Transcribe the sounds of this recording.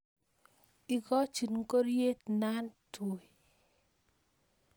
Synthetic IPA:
i˨kɔ˦t͡ʃi˨nŋ̩˦ko˦ɾje˦tna˦nto˨

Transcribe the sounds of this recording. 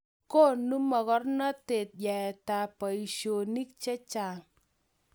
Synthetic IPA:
ko˦˨nu˦mɔ˨kɔ˦rnɔ˦te˨t̚jɛ˨ɛ˨ta˨pɔ˨i˨ʃo˨ni˦k̚t͡ʃe˦t͡ʃa˨ŋ

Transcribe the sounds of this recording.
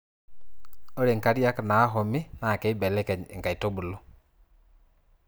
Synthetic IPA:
o˦ɾe˨ŋka˨ɾi˦a˦ka˨naː˨˦ɦɔ˨mi˦na˨ke˨i˦bɛ˨lɛ˦kɛ˨e˨ŋka˨i˨to˦bu˨lo˦

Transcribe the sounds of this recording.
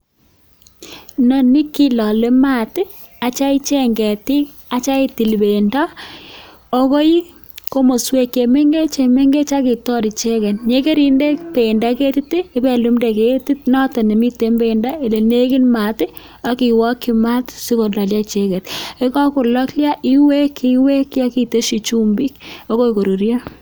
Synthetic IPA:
nɔ˨ni˦ki˦lɔ˨le˦ma˦˨t | a˨t͡ʃa˦i˦t͡ʃe˦ŋɡɛ˨ti˦ | a˨t͡ʃa˦i˦ti˨lbe˨nda˦ | o˦ko˦ji˦ | ko˦mo˨swe˨kje˨me˦ŋɡe˦t͡ʃe˨me˦ŋɡe˦t͡ʃa˦ki˨tɔ˦ɾi˨t͡ʃe˦kɛ˨nɲe˦ke˦ɾi˨nde˦pe˨nda˦ke˦ti˦ti˦e˦bɛ˨lu˨˦mde˨ke˨ti˦tnɔ˦ta˨ne˨mi˦te˨˦mbe˨nda˦e˨le˨ne˦kɪ˦nma˨tɪ˦ | a˦ki˨wɔ˦kːi˦ma˦tsi˦ko˨la˨lja˦t͡ʃe˦kɛ˨te˦kɔ˦ko˨lɔ˦klja˦ʔi˦we˦kʰi˦we˦kja˦ki˨te˦ʃi˨t͡ʃu˦mbi˦ko˦ko˦iko˨ɾu˨ɾja˦

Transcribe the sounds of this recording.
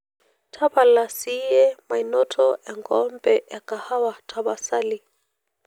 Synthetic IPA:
tʰa˦βa˨la˨siɛ˦ma˨inɔ˦tʰɔʔɛ˨ŋɡɔmbɛʔɛ˨ka˨ha˦wa˨tʰaβa˨sa˦li˨

